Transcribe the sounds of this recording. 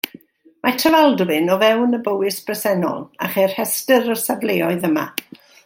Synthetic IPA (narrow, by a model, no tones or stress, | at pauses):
matʰəvalˠdwɪnɔvɛwnəbəwɪsb̥rəsɛnɔ̰lˠa̰χer̥hɛstəɾəsavleːɔɨðəma̰